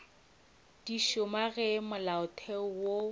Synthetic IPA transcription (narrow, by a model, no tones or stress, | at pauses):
d̥iʃʊmaɣɛmʊlaʊtʰɛʊwo